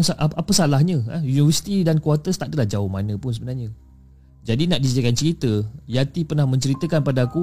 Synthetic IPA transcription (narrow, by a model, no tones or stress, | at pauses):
ŋsaʔapəsalahɲə̃ajunivəsi̥t̪idankuat̪əst̪aʔdəlahd͡ʒaʊhmanə̃pʊnsəbənarɲə̃ | d͡ʒadinaʔdis̬iakant͡ʃəɾit̪əjat̪ipərnahmə̃ɲt͡ʃəɾit̪əkanpadaːku